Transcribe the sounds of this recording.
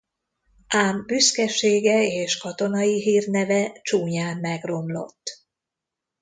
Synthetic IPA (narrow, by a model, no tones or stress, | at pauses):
ʔaːmbyskɛʃeːɡɛeːʃkɒt̪o̞nɒjiɦiːrnɛvɛt͡ʃuːɲaːmːɛɡro̞mlo̞̰t̪ː